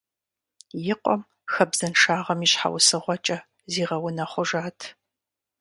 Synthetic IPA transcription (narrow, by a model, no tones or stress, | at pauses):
jɪqʷɔm | xɐbz̥ɐnʂaːʁɐmiɕħa̰wsɨʁʷɔt͡ʃʼɐ | ziːʁɐwʊnɐχʷʊʒaːtʰ